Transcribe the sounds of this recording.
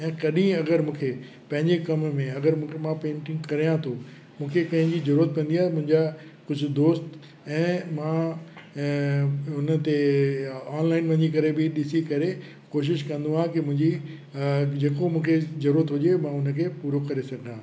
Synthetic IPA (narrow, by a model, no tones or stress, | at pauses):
ɛ̃ːkɐɗĩɐɡəɾmũːkʰe | pɐ̃ɦɪ̃ɲd͡ʑekɐmmẽɐɡəɾmũːmãpẽːɳʈɪ̃ŋɡkɐɾijãt̪ʰo | mũːkʰekɐ̃ɦɪ̃ɲd͡ʑizɐɾuːɾət̪̚kɐ̃n̆d̪ijaːmʊ̃ɦɪ̃ɲd͡ʑakʊd͡ʑʱʊ̆d̪oːst̪ | ɛ̃ːmãː | ʊnə̆t̪e | aːnlaːɪnʋɐ̃ɦɪ̃d͡ʑikɐɾebɪɗɪsikɐɾe | koːʃ̬ɪʃkɐ̃nd̪uɦãkɪmʊ̃ɦɪ̃ɲd͡ʑi | d͡ʑeːkomũːkʰezɐɾuːɾət̪ɦʊʄemãːʊnə̆kʰeːpuːɾokɐɾesɐɡʱãː